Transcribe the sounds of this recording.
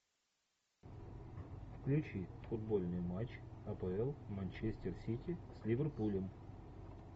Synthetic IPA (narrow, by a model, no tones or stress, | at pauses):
fklʲʉt͡ɕifʊd̪̚bolʲnɨjmat͡ɕɐpəɛlˠmɐnʲt͡ɕesʲtʲɪrsʲitʲɪsʲlʲɪvʲərpulʲəm